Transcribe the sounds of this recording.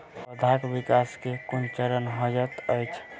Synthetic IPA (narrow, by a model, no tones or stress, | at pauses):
pəd̪ʱakbikaskekunt͡ʃəɾənɦəd͡ʒət̪əjt͡ʃʰ